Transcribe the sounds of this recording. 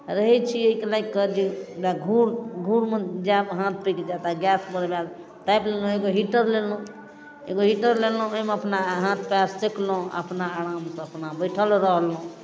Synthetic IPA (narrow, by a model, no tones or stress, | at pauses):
ɾəɦɛt͡ʃʰieikelaɡkəd͡ʒidaɡʱuɽɡʱuɽmed͡ʒaɦãt̪̚ʰpiked͡ʒat̪aɡjasbəɾbjal | ʈ̪ajplelũeɡoɦiʈəɾlelũ | eɡoɦiʈəɾlelũəjmeəpnaɦãt̪ʰpjasseklõə̰pnaːɾamsəpnabəjʈʰəlɾəɦlũ